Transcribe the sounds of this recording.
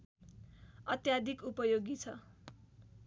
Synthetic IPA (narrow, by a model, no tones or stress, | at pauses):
ʌt̪jad̪ʱikupʌjoɡit͡sʰʌ